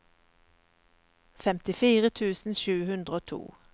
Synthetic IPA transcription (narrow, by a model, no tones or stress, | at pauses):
fɛmt̪ɪfiːʁət̪ʰʉːsn̩ʃʉːhʉnd̪ʁəoːt̪ʰṵː